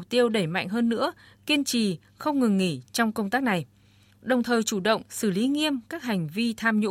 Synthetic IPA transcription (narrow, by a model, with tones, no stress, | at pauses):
k̚t̪i˧əwɗe˧˩jma̰˧˨ŋ̟ɦəː˧nːɨ̰˧˥əki˧ənt͡ɕi˨˩ | xə˧wŋ͡mŋɨ˨˩ŋːi˧˩t͡ɕɔ˧wŋ͡mkə˧wŋ͡mt̪aː˦˥k̚na˨˩j | ɗə˨˩wŋ͡mt̪ʰəː˨˩jt͡ɕu˧˩ɗə̰˧˨wŋ͡msɨ˧˩li˨˦ŋi˧əmkaː˦˥k̚ha˨˩jŋ̟vi˧t̪ʰaː˧mɲṵ˧˥